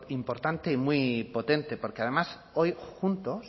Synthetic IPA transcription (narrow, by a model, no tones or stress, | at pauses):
impo̞ɾt̪ant̪eimwipo̞t̪ẽ̞nt̪e̞po̞ɾkeað̞e̞mas | ojxunt̪o̞s